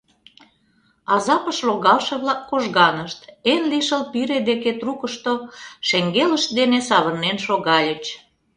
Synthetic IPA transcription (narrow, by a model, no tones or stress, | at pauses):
ɑzɑpəʃloɣɑlʃeβlɑkːoʒɣɑnəʃt̪enliʃəlpiɾed̪eket̪rukəʃt̪oʃeŋɡeləʃd̪enesɑβərnenʃoɣɑlʲə̆t͡ɕ